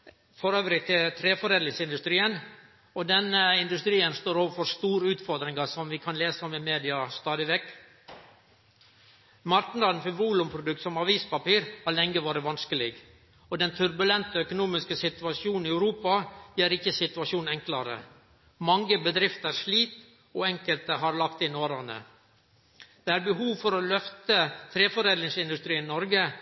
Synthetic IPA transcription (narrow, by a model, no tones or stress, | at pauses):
fɔɾøːʋɾɪt̪ʰɪlt̪ʰɾeːfɔɾeːd̪lɪsɪnd̪ʉst̪ɾiːən | ɔd̪ɛnːəɪnd̪ʉst̪ɾiːənst̪oːɾoːʋəfɔɾst̪uːɾəʉːt̪fɔɾd̪ɾɪŋɑsɔmʋɪkʰɑnleːsəɔmɪmeːd̪ɪɑst̪ɑːd̪ɪʋɛkː | mɑɾʈn̩lɑd̪nfɪʋuːlʉmpʰɾʊd̪ʉkt̪sɔmɑʋiːspɑpiːɾɑlɛŋɡəʋɑːɾəʋɑnskəlɪɡ | ɔd̪ɛnt̪ʰʉɾbʉlɛnt̪əœkʊnuːmɪskəsɪt̪ʉʋɑsuːnn̩ɪæʉɾuːpɑjæːɾɪçːəsɪt̪ʉɑʂuːnn̩ɛŋklɑɾə̰ | mɑŋːəbəd̪ɾɪft̪æɾʂliːp̪ | oːɛŋkəlt̪əhɑɾlɑkt̪ɪnoːɾɑnə̰ | d̪̥ɛæːɾbəɦuːʋfɔɾɔlœft̪ət̪ʰɾeːfɔɾeːd̪lɪŋsɪnd̪ʉst̪ɾiːnɪnɔɾɡə